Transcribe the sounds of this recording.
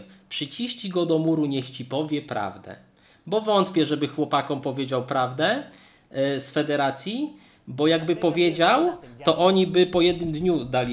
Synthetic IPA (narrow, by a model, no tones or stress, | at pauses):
pʂɘt͡ɕiɕt͡ɕiɡɔd̪ɔmuɾuɲɛxt͡ɕipɔvʲjɛpɾa̰vd̪ɛ̰ | bɔvɔnt̪pʲjɛʐɛbɘxwɔpakɔmpɔvʲjed͡ʑawpɾavd̪ɛ | sfɛd̪ɛɾat̪sʲji | bɔjaɡbɘpɔvʲjed͡ʑawt̪ɔʔɔɲibɘpɔjɛd̪nɘmd̪ɲuzd̪alʲi